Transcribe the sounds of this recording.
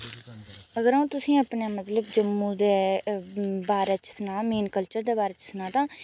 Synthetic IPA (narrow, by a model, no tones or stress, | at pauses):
əɡəɾaːũːt̪ʊsĩːəpneːmət̪ləbd͡ʒəmːũːd̪eː | baːɾeːt͡ʃsənãːmiːnkəlt͡ʃəɾd̪eːbaːɾeːt͡ʃsənãːt̪ãː